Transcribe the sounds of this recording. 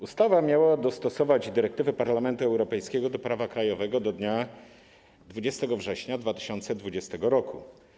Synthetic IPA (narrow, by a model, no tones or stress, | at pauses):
ust̪avamʲjawad̪ɔst̪ɔsɔvad͡ʑd̪ɘɾɛkt̪ɘvɘpaɾlamɛnt̪uɛwɾɔpɛjskʲɛɡɔd̪ɔpɾavakɾajɔvɛɡɔd̪ɔd̪ɲa | d̪vud͡ʑɛst̪ɛɡɔvʐɛɕɲad̪vat̪ɘ̥ɕɔnt̪sɛd̪vud͡ʑɛst̪ɛɡɔɾɔku